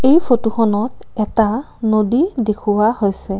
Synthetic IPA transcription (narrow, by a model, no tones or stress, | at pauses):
ejpʰotuxʰɔnɔtɛta | nodidekʰʊwahojsɛ